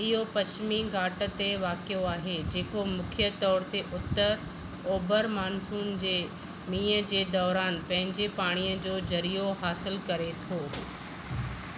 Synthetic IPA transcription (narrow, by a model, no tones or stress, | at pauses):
ɪɦopɐt͡ɕmiɡaːʈə̆t̪eʋaːkijoaːɦed͡ʑeːkomʊkʰjət̪ɔːɾt̪eʔʊt̪ːəɾ | oːbəɾmaːnsuːnd͡ʑeː | mĩːəd͡ʑeːd̪ɔːɾaːnpɐ̃ɦɪ̃ɲd͡ʑepaːɽ̃ijəd͡ʑoːd͡ʑɐɾijoɦaːsɪlkɐɾet̪ʰoː